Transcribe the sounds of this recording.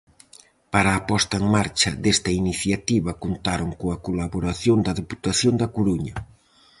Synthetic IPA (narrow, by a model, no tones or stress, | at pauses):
paɾaːpɔst̪ɐeŋmaɾt͡ʃɐd̪est̪ɐiniθjat̪iβɐkont̪aɾoŋkoɐkolaβoɾaθjond̪ɐðeput̪aθjond̪ɐkoɾuɲɐ